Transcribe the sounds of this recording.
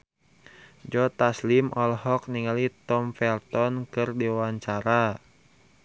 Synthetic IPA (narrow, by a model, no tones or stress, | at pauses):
d͡ʒɔt̪aslimʔɔlɦɔk̚niŋalit̪ɔmfɛlt̪ɔnkɨrdiwawaɲt͡ʃaɾa